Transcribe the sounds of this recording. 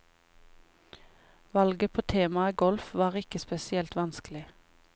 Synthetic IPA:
ʋɑlɡəpʰoːt̪ʰeːmɑəɡɔlfʋɑːʁɪkəspɛsɪɛlt̪ʋɑnskəlɪ

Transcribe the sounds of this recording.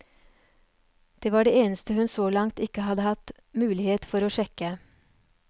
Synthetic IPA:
d̪̥eːʋɑːɖeːeːnəst̪əhʉnsoːlɑŋt̪ɪkəhɑd̪əhɑt̪ | mʉːlɪheːt̪fɔɾoːʃɛkə

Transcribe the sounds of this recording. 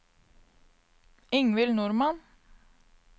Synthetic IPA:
ɪŋʋɪlnʊɾmɑn

